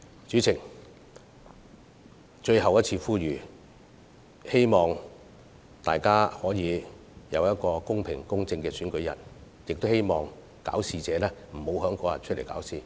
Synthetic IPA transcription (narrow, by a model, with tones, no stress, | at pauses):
t͡ʃyː˨˥t͡sʰɪ˨˩ŋ | t͡ʃɵ˧ɥhɐ˨wjɐ˥t̚t͡sʰiː˧fuː˥ɥyː˨˩ | he˥jmɔː˨ŋ | t̪aː˨jkaː˥hɔː˨˥jiː˨˧jɐ̰˨˧wjɐ˥t̚kɔː˧kʊ˥ŋpʰɪ̰˨˩ŋkʊ˥ŋt͡sɪ˧ŋkɛː˧syː˨˥nkɵ˨˥ɥjɐ̰˨˩t̚ | jɪ˨k̚t̪o˥whe˥jmɔː˨ŋ | ka̰ː˨˥wsiː˨t͡sɛː˨˧lɛː˥m̩˨˩ho˨˧wɦœː˨˥ŋkɔː˨˥jɐ̰˨˩nt͡ʃʰɵ˥t̚le˨˩jka̰ː˨˥wsiː˨